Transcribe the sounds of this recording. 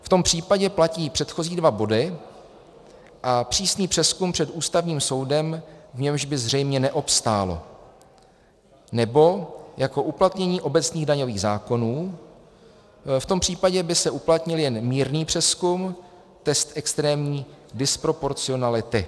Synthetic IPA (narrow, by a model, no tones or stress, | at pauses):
ft̪o̞mpr̝̥iːpaɟɛplaciːpr̝̥ɛt̪xo̞ziːdvabo̞dɪ | ʔapr̝̥iːsniːpr̥ɛskumpr̝̥ɛt̪ʔuːst̪avɲiːmso̞wdɛmvɲɛmʒbɪzr̝ɛjmɲɛnɛʔo̞pst̪aːlo̞̰ | nɛbo̞jako̞ʔuplat̪ɲɛɲiːʔo̞bɛt͡sniːɣdaɲo̞viːɣzaːko̞nuː | ft̪o̞mpr̝̥iːpaɟɛbɪsɛʔuplat̪ɲɪljɛnmiːɾniːpr̥ɛskum | t̪ɛst̪ʔɛkst̪ɾɛːmɲiːdɪspɾo̞po̞ɾt͡sɪo̞nalɪt̪ɪ